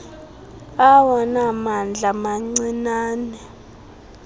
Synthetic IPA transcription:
awɔnamand͡ɮʱamaŋ͡ǀinaːnɛ

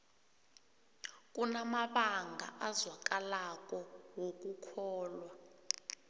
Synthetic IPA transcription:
k̬ʼunamaɓaŋɡʱa̰ʔazwak̬ʼalak̬ʼɔwok̬ʼukʰɔːlwa

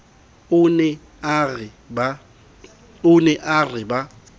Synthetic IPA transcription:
ʊnɛ | rɪ | ba | ʊnɛʔarɪba

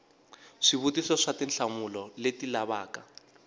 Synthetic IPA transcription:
ʂiβutisɔʂatinɬʰamulɔletilaβaːka

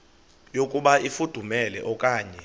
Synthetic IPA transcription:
jokʼuɓaifud̥ʱumɛlɛ̰ʔɔkʼaːɲɛ

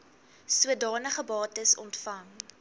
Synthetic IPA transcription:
suədɑːnəχəbɑːtəsɔ̰ntfɐŋ

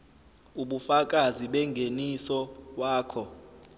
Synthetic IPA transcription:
uɓufak̬ʼaziɓɛŋɡʱenisɔwaːkʰɔ

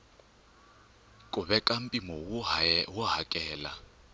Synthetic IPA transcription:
kʼʊβɛkʼam̩pʼimɔwʊɦʊɦakʼɛːla̰

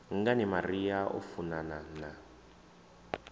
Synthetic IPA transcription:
ŋ̩ɡanimariaʔṵfunanana

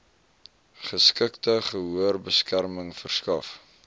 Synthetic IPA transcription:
χəskəktəχəɦuərbəskærməŋfərskɐf

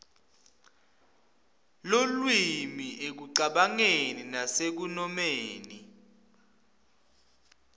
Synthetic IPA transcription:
lolwimiʔek̬uǀaɓaŋeninasek̬unɔmeːni

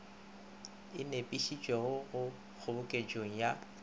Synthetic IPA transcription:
ɪnepʼiʃid͡ʒʼwɛɣʊʊ | k͡xʰʊbʊkʼed͡ʒʼoŋ̩ja

